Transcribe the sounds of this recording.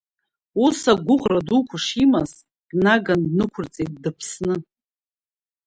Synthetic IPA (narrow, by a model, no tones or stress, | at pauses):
usaɡʷʊʁradukʷʰaʂimaz | d̥naɡandnɨkʷʰʊrt͡sʼejt̚ʼdapʰsnɨ